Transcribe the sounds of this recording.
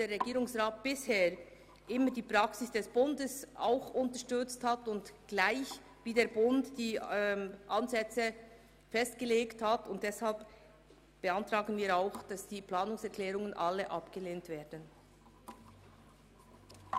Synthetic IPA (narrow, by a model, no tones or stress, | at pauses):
d̥eːrʁːɛɡiːɾʊŋsʁaːt̚b̥ɪsheː | ʔɪmədiːpɾaksɪsd̥ɛsb̥ʊndəsʔa̰ʊxʊntəʃtʏt͡sthatʊntɡ̥laɪç | viːdeːɐbʊntd̥iː | ʔanzɛt͡sə | fɛstɡ̥əleːkthatʊnt̚d̥ɛshalp | b̥əantʁaːɡənviːɾaʊxd̥asd̥iːplaːnʊŋsɛɐklɛːɾʊŋənʔalːəʔapɡ̥əleːntv̥ɛːdən̩